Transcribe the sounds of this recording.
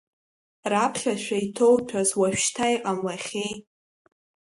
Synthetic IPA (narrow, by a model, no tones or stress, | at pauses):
rapʰχʲaʃᶣʷaitʰowtʷʰazwaʃᶣʃtʰajqʼamlaχʲej